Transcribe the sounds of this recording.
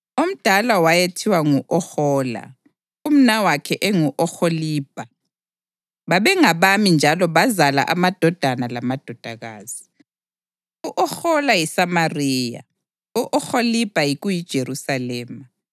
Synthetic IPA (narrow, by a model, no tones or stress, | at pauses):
um̩d̥ʱalawajetʰiwaŋuʔɔxɔːla̰ | um̩nawakʰɛʔɛŋuʔɔxoliːb̥ʱa | βaβɛŋaβamind͡ʒʱalɔβazala̰ʔamad̥ʱɔd̥ʱanalamad̥ʱɔd̥ʱaɣa̰ːz̥i | uʔɔxɔlajisamariːja̰ | uʔɔxolib̥ʱajiɣujid̥ʒ̥ʱerusalɛːma